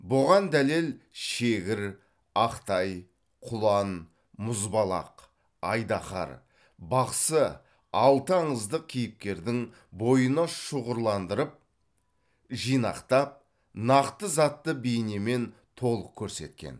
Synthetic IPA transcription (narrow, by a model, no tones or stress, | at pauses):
bʊʁɑnd̪æle̞lʃe̞ɡʲɪɾ | ɑqt̪ɑj | qʰʊlˠɑn | mʊzbɑlˠɑ̰q | ɑjd̪ɑχɑ̰ɾ | bɑqsə | ɑlˠt̪əɑɴəzd̪əq̚kʲʰijɪp̚kʲe̞ɾd̪ɪŋ | bo̞jənɑʃəʁəɾlˠɑnd̪əɾəp̚ | ʒijnɑ̰qt̪ɑp̚ | nɑqt̪əzɑt̪ːəbejneme̞n | t̪ʰo̞lˠəq̚kʲʰɵɾse̞t̪̚kʲḛn